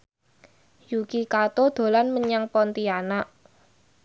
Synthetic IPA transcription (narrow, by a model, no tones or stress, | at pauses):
jukikat̪od̪̥o̤lanməɲaŋpɔnt̪ianaʔ